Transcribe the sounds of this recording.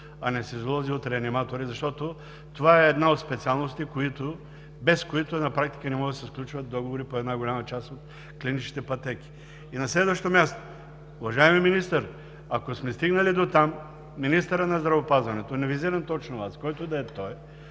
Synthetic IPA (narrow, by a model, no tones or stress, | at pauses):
ɐnɛsɛizlˠɔziot̪ɾɛɐnimat̪oɾizɐʃt̪ɔt̪o | t̪ovaɛːd̪naot̪spɛt̪sialˠnost̪ikoit̪o | bɛskoit̪ʊnɐpɾak̚t̪i̥kənɛmɔɡd̪sɛsklʲut͡ʃvət̪̚d̪ɔɡovoɾipoɛd̪naɡolʲamɐt͡ʃast̪ot̪ | klinit͡ʃi̥t̪ɛpɐt̪ɛk̟i̥ | inɐslɛd̪vəʃt̪omʲjast̪o̥ | ʊvɐʒaɛmiminist̪əɾ | ɐkosmɛst̪iɡnɐlid̪ot̪amː | inist̪əɾənɐzd̪ɾɐvopazvɐnɛt̪onɛviziɾɐnt̪ɔt͡ʃnovaskɔjt̪od̪ɐɛt̪ɔj